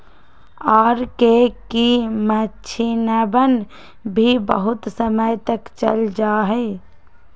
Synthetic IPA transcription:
ɔːɾkekimət͡ʃʰinɛbən | bʱibə̰ɦut̪səməjt̪əkt͡ʃə̰ld͡ʒaɦəɪ

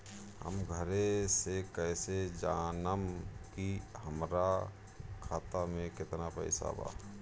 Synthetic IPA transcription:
hə̰mɡʱəɾesekəɪsed͡ʒaːnəmkihəmɾa | kʰaːt̪amẽkɪt̪napə̰ɪsa̰ba̰

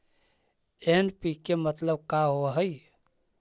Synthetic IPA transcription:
enpikemət̪ləb̚kaɦoɦəj

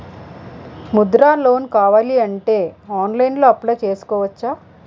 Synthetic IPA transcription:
mud̪ɾaːlo̞ːnkaːʋaːliɐɳʈe̞ːaːnlɐjnlo̞ːɐpːlɐːt͡ʃe̞ːsu̥kɔːʋɐt͡ʃːaː

